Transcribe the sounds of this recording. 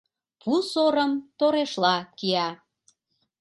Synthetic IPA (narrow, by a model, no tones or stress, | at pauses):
pʰusoɾəmt̪oɾeʃlɑkiɑ